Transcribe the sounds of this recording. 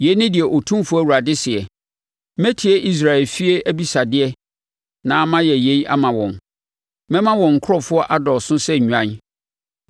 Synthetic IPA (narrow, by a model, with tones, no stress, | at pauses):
je˨˦nɪ̃˦dɪ˨ɛ˨ʔo˨tʰũ˦fʊ˦æ˦˨wu˨ɾa˨dɪ˦sɪ˨ɛ˨ | mɛ̃˦tʰɪ˨ɛ˦ʔi˦s̬ɾa˨ɛ˨lfi˦e˦ʔæ˦bi˦sa˨dɪ˦ɛ˦ | nã˨˦mã˦jɛ˨je˨˦ʔa̰˦mã˨wɔ̰̃˨n | mɛ̃˦mã˦wɔ̃˨ŋ̩˨kʰʊ˦ɾɔ˦fʊ˦ɔ˦ʔa˦dɔ˨sʊ̃˦sɛ˦ɲᶣu˨ã˦n